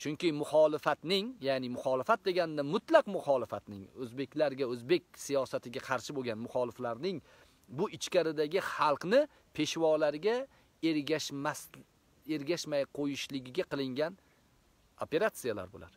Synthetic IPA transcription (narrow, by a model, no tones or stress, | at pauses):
t͡ʃʰʊŋkʲɪmʊχɒlɪfat̪nɪŋjanɪmʊχɒlɪfat̪̚d̪e̞ɡʲanɪd̪amʊt̪laqmʊχɒlɪfat̪nɪŋɵzbe̞kʲʰlaɾɡʲaɵzbe̞kʲsijɒsat̪ʰɪɡʲaqʰɑɾʃɪboɡʲanmʊχɒlɪflaɾnɪŋ | bʊʔɪt͡ʃkʲaɾɪd̪aɡʲɪχɑlˠqnɪ | pʰe̞ʃwɒlaɾɪɡʲa | aas | eɾɡʲaʃmajqʰojɪʃlɪɡʲɪɡʲaqɨlˠɪŋɡʲan | ope̞ɾat̪sijala̰ɾbola̰ɾ